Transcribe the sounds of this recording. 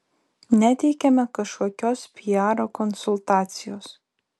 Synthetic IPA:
nʲæt̪ʲɛɪkʲɛmʲɛkɐʃkuɔkʲoːspʲiɑːɾokɔnsʊlˠt̪ɑːt̪sʲɪjoːs

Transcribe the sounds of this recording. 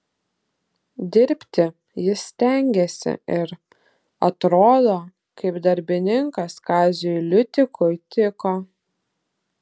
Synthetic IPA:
d̪ʲɪɾʲpʲt̪ʲɪ | jɪsːʲt̪ʲɛˑŋʲɡʲɛsʲɪ̰ɪɾ | ɐt̪ɾoːd̪oː | kɐɪpd̪ɐɾʲbʲɪnʲɪŋkɐskɑːzʲɪjʊlʲʊt̪ʲɪkʊjt̪ʲɪkoː

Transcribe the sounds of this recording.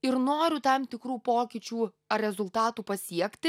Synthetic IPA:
ɪɾnoːɾʲʊt̪ɐmt̪ʲɪkɾuːpoːkʲit͡ʃʲuː | ɐɾʲɛzʊlˠt̪ɑːt̪uːpɐsʲiɛkt̪ʲɪ

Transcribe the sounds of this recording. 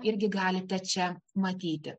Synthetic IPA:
ɪɾʲɡʲɪɡɑːlʲɪt̪ʲɛt͡ʃʲɛmɐt̪ʲiːt̪ʲɪ

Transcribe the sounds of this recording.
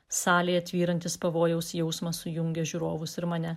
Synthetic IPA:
sɑːlʲeːɐt̪ʲʋʲiːɾɐnʲt̪ʲɪspɐʋoːjɛʊsjɛʊsmɐsʊjʊŋʲɡʲɛʒʲuːɾoːʋʊsɪɾmɐnʲɛ

